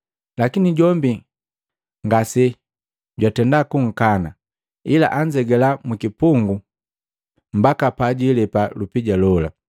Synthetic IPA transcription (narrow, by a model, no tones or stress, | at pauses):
lakiniɟɔmbi | ŋɡasɛ | ɟwatɛndakuŋ̩kana | ila̰ʔaɲd͡ʒɛɡɛlamukipuŋɡu | m̩bakapaɟilɛpalupiɟalɔla̰